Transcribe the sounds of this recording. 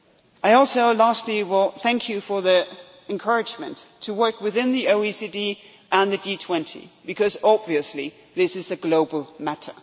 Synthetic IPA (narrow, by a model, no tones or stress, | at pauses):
ʔaɪɔlˠsoʊlæstˡliwɪlˠθæ̃ŋkʰjɨfə˞ði | ɨ̃nkʰɜ˞ɨd͡ʒmɨ̰̃ntʰːɨwɜ˞kwɨðɪ̃nðioʊisidi | ʔə̃nðɨditʰw̥ɛ̃ntʰḭbɨkʰʌzɑbviɨsli | ðɪsɨzðɨɡloʊbl̩ˠmæɾə̰˞